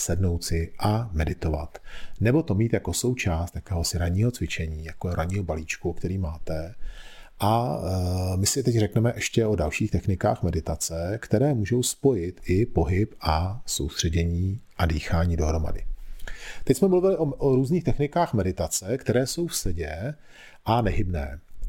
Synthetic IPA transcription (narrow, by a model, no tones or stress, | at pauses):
sɛdno̞wt͡sɪʔamɛdɪt̪o̞va̰t̪nɛbo̞t̪o̞miːt̪jako̞so̞wt͡ʃaːst̪jakɛːɦo̞sɪɾaɲiːɦot͡svɪt͡ʃɛɲiːjakoɾaɲiːɦobaliːt͡ʃkukt̪ɛɾiːmaːt̪ɛ | ʔa | mɪsɪt̪ɛcrɛknɛmɛʔɛʃcɛʔo̞dalʃiːxt̪ɛxnɪka̰ːxmɛdɪt̪at͡sɛkt̪ɛɾɛːmuːʒo̞wspo̞jɪt̪ɪpo̞ɦɪpʔaso̞̰wst̪r̥ɛɟɛɲiːʔadiːxaːɲiːdo̞ɦɾo̞ma̰dɪ̰ | t̪ɛcsmɛmuluvɪlɪʔoʔoɾuːzɲiːxt̪ɛxnɪkaːxmɛdɪt̪at͡sɛkt̪ɛɾɛːso̞wfsɛɟɛ | ʔanɛɦɪbnɛ̰ː